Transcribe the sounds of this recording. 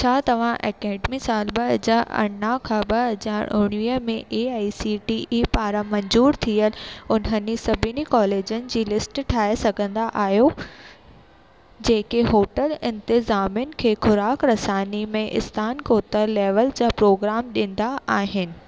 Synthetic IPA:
t͡ɕʰaːt̪ɐʋ̤ãʔɛ̰ːkɛːɖmisaːlɓɐɦɐzaːɾɐ̰ɽnãkʰãɓɐɦɐzaːɾʊɽ̃ʋiəmẽʔeːaːisiʈiʔipaːɾamɐ̃ɲzuːɾt̪ʰiəlʊnɦənɪsɐbʱɪnikɔːleːd͡ʑənɪ̆d͡ʑiːlɪsʈʈʰaːesɐɡʱə̃nd̪aʔaːɦjo | d͡ʑeːkeɦoːʈəlɪ̃nt̪ɪzaːmjʊnɪ̆kʰeːxʊɾaːkɾɐsaːnimẽʔɪ̰st̪ʰaːnkoːt̪əɾleːʋəld͡ʑaːpɾoːɡɾaːmɗĩnd̪aaːɦɪnɪ̆

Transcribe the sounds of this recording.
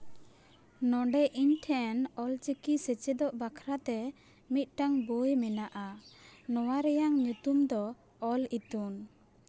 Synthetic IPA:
nɔɳɖɛʔiɲʈʰɛnɔlt͡ʃikisɛt͡ʃɛd̪ɔʔbakʰɾat̪ɛ | mit̪̚ˀʈaŋbojmɛnaʔanɔwaɾɛjaŋɲut̪umd̪ɔː | lit̪un

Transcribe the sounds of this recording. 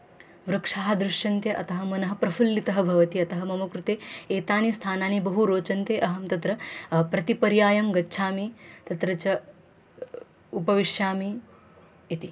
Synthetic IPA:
ʋɾɐkʂaːɦɐd̪ɾuʂjɐnt̪jɐʔɐt̪ɐɦɐmɐnɐɦɐpɾɐfʰulːit̪ɐɦɐbʱɐʋɐt̪iɐt̪ɐɦɐmɐmɐkɾut̪eːeːt̪aːnist̪ʰaːnaːnibɐɦuɾoːt͡ʃɐnt̪eːʔɐɦɐmt̪ɐt̪ɾɐpɾɐt̪ipɐɾjaːjɐmɡɐtːʃʰaːmit̪ɐt̪ɾɐt͡ʃɐ | upɐʋiʂjaːmi | it̪i

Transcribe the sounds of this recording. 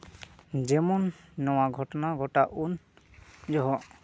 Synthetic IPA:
d͡ʒɛmɔnːɔwaɡʱɔʈɔnaɡʱɔʈaʔun | d͡ʒɔɦɔʔ

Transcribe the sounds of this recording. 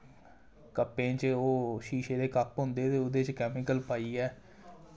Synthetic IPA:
kəpːẽːt͡ʃoːʃiːʃeːd̪eːkapɦʊ̃nd̪eːt̪eːʊd̪eːt͡ʃkɛːmɪkəlpaːiːɛː

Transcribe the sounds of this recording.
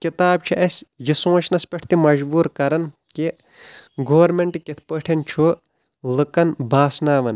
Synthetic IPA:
kit̪aːb̚t͡ʃʰiʔɐsʲjisõːt͡ʃʰnɐspʲeʈʰt̪imɐʒbuːɾkɐɾɐn | ki | ɡoːʋɐɾmeɳʈikit̪ʰpəʈʰent͡ʃʰu | lɨkɐnbʱaːsnaːʋɐn

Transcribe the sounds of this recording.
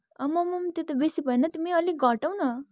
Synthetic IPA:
ʌmʌmʌmt̪jet̪ʌbesipʌenʌt̪imiʌliɡʱʌʈaw̃nʌ

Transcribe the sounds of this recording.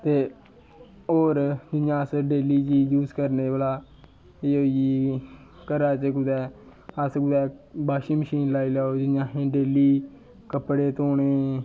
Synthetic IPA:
t̪eː | oːɾd͡ʒɪnjãːsəɖeːliːd͡ʒiːd͡ʒuːzkəɾneːʋəlaː | eːoːiiː | kəɾaːt͡ʃəkʊd̪ɛː | əskʊd̪ɛːbaːʃiːməʃiːnlaːiːlɛːoːd͡ʒɪnjãːɦẽːɖeːliː | kəpɽeːt̪oːɳeː

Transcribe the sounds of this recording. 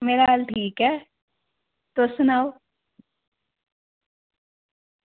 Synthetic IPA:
meːɾaɦalʈʰiːkɦɛː | t̪oːsʊnaːo

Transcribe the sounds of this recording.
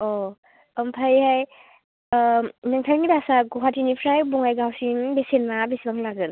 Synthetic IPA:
ɔ | ɔmpʰajhaj | naŋtʰajŋidasaɡɔɦatʰinipʰɾajbɔŋajɡawsiŋbesenmabesbaŋlaɡɯn

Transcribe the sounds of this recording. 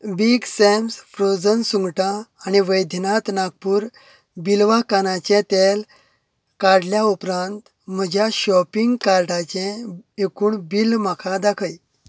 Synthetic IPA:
biɡsemsfɾod͡zənsuŋɡʈãːniʋəjd̪ʱnat̪naɡ̚puːɾ | bilʋakanat͡ɕɛ̃t̪el | kaɾɽljaupɾãnt̪ | m̤əd͡ʑʱjaɕɔpiŋɡkaɾʈat͡ɕɛ̃ekuːɳbilm̤akʰad̪akʰəj

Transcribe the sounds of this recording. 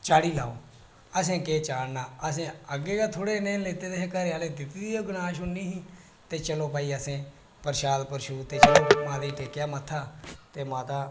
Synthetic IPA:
t͡ʃaːɽiːlaːoː | əs̬ẽːkeːt͡ʃaːɽnaːəs̬ẽːəɡeːɡaːt̪ʰoːɽeːnẽːleːt̪eːt̪eɦeːkəɾeaːleːd̪ɪt̪iiːoɡʊnaːʃʊnːiːɦĩː | t̪eːt͡ʃəloːpaːiːəsẽː | pəɾʃaːd̪pəɾʃuːt̪eːt͡ʃəloːmãːd̪eːʈeːkjaːmət̪ʰːaːt̪eːmãːt̪aː

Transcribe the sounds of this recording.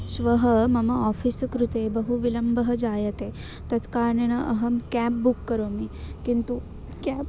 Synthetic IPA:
sʋɐɦɐmɐmɐɔːfiskɾut̪ebɐɦuʋilɐmbɐɦɐd͡ʒaːjɐt̪e | t̪ɐt̪kaːɾɳenɐʔɐɦɐmkæpbukːɐɾomikint̪u | kæp

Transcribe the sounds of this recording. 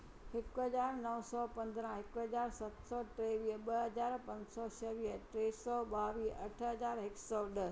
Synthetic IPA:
hɪkʊɦɐzaːɾnɐʋ̃sɔːpɐ̃nd̪ɾãɦɪkɦɐzaːɾsɐt̪sɔʈɾeːʋiːɦəɓɐɦɐzaːɾpɐ̃ɲd͡ʑsɔːt͡ʃʰɐʋiːəʈɾeːsɔːɓaːʋiːʔɐʈʰɦɐzaːɾɦɪksɔːɗɐ

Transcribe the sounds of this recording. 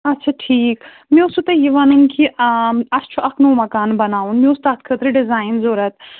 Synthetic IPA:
ɐtːʃʰaʈʰiːk | mĩʊsut̪ejiʋanunkiɐst͡ʃʰuʔɐkʰnoːmɐkaːnbɐnaːunmĩʊst̪aːt̪ʰkʰət̪ɾɨɖɪzaːɪnzoːɾɐt̪

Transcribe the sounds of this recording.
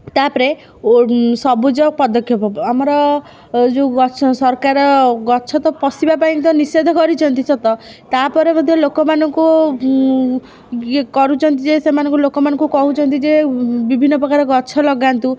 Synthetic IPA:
t̪apɔɾe | sɔbud͡ʒɔk̚pɔd̪ɔkʰjɔpɔamɔɾɔ | d͡ʒeɡɔt͡ʃʰɔsɔɾkaɾɔɡɔt͡ʃʰɔt̪ɔpɔsibapaj̃t̪ɔnised̪ʱɔkɔɾit͡ʃʰɔnt̪it͡ʃʰɔt̪ɔ | t̪apɔɾemɔd̪ʱjɔlokɔmanɔŋku | kɔɾut͡ʃʰɔnt̪id͡ʒesemanɔŋkulokɔmanɔŋkukɔɦut͡ʃʰɔnt̪id͡ʒebibʱinːɔpɾɔkaɾɔɡɔtːt͡ʃʰɔlɔɡant̪u

